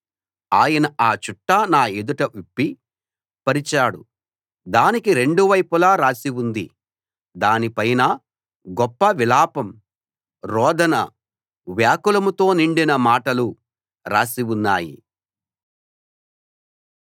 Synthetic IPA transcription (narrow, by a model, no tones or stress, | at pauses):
aːjɐnɐaːt͡ʃuʈːanaːed̪uʈɐʔupːi | pɐɾit͡ʃaːɽṵ | d̪aːnikiɾe̞ɳɖuʋɐjpulaːɾaːsiwund̪i | d̪aːnipɐjnɐ | ɡɔpːɐʋilaːpɐm | ɾɔːd̪ɐnɐ | ʋjaːkulɐmut̪o̞ːniɳɖinɐmaːʈɐlu | ɾaːsiwunːaːjḭ